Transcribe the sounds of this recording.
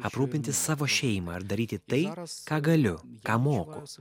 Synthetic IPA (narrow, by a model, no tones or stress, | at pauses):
ɐpɾuːpʲɪnʲt̪ʲɪssɑːʋoːʃʲɛɪmɑ̰ɐɾd̪ɐɾʲiːt̪ʲɪt̪ɐɪkɑːɡɐlʲʊ | kɑːmoːkʊ